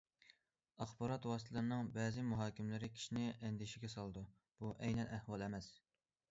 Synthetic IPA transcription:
ɑχbɑɾɑt̪wɑːst̪ʰɨlɨɾnɨŋbɛːzɪmuɦɑːkʲɪmlɪɾɪkʲʰi̥ʃinɪʔɛnd̪ɪʃiɡʲɛsɑlˠɨd̪u | b̥uʔɛjnɛnæhwɑlˠɛmɛs

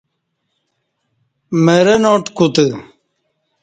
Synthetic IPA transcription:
meɾenoʈkut̪ɨ

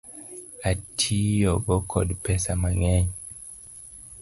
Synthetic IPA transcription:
atʰijɔbɔkʰɔ̰dpɛsamaŋɛɲ

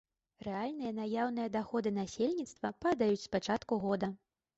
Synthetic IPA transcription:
rɛalʲnɨjɐnajawn̪ɨjɐd̪axɔd̪ɨnasʲelʲnʲit̪st̪vɐpad̪ajut͡sʲspat͡ʂat̪kuɣɔd̪ɐ

